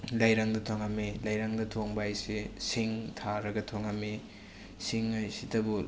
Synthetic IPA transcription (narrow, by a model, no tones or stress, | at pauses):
lajɾaŋdɐtʰoŋamelajɾaŋdɐtʰoŋbajsesiŋtʰaɾɐɡɐtʰoŋame | siŋajsitɐbu